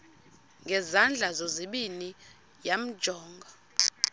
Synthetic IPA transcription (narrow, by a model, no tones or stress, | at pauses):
ŋɡʱɛzand͡ɮʱazoziɓini | jam̩d̥ʒ̥ʱɔːŋɡʱa